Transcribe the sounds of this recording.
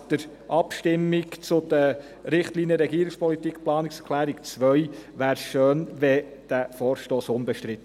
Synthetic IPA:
d̥̪əɾ | ʔɑpʃtɪmːikt͡sʊd̥̪ə | ɾɪχtliːnijəɾɛɡiːəɾɪkspʰɔlit̪ikplɑːnikskʰlæːɾikt͡sʋœɥʋæːɾʃøːnvɛd̥æfɔːɾʃtoːsʊnbɛʃtɾɪt̪ː

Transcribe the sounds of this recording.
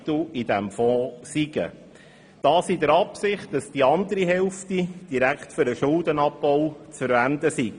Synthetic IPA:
tuid̪æmfɔːsiɡ̥ə̰ | d̥ɑːsid̪əɾɑpsɪχt̚d̥ɑsd̥iɑnd̪əɾiɦɛlftid̥iɾækχtfʏɾəʃʊldənɑpːɔwt͡sfəɾvænd̪əsiɡ̥

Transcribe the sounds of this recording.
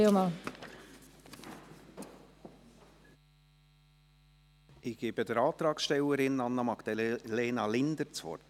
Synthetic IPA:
omɑ | ɪɡ̥eːbədəɾɑːt̪ɾɑːksʃtɛwəɾɪnɑnːɑmɑkd̥̪ɛleːnɑlɪnd̪əɾt͡sʋɔ̰rt

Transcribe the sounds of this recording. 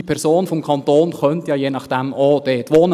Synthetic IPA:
ipʰɛɾsoːnfɔmkʰɑntoːnχœntjɑːjeːnɑχd̥ɛmod̥eːtʋoːn

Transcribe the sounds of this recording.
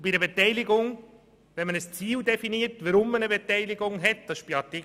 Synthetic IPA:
b̥idəbetɛɪlɪɡʊŋ | ʋɛnmənəst͡siːldɛfiniːtvəɾʊmːənəbetɛɪlɪɡʊŋɦɛt̚d̥ɑsʃb̥iɑti

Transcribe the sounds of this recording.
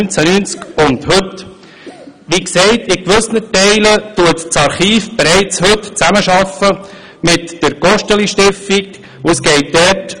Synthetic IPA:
nt͡sænynt͡skʊnd̪hɵt | ʋiksɛɪt̪ɪkʋɵsnətɛɪlətuətt͡sɑɾχiːfb̥eɾɛɪt͡shɵtt͡sæməʃɑfə | mɪtd̥əɾɡ̥ɔʃtəliʃtɪftik | ʊəsɡɛɪt̚dɛɾt

